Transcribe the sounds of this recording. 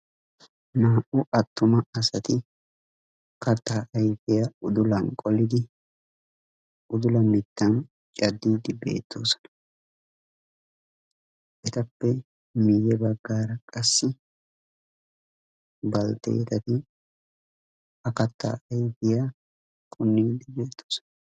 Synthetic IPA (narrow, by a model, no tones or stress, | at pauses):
naːʔʊʔɐt̪ːʊmɐɐsɐt̪ɪ | kɐt̪ːaːʔɐjfɪjaʊd̪ʊlɐŋkʼɔlɪd̪ɪ | ʊd̪ʊlɐmɪt̪ːɐn | t͡ʃʼɐd̪ːiːd̪ɪbe̞̰ːt̪ʰːoːsɔ̥nɐ̥ | ʔɛt̪ɐpːɛ | mɪjɛbɐɡːaːɾɐkʼɐsːɪ | bɐlt̪ḛːt̪ɐt̪ɪ | ɐkɐt̪ːa̰ːʔɐjfɪja | kʼʊnːiːd̪ɪbeːt̪ʰːo̥ːsɔ̥nɐ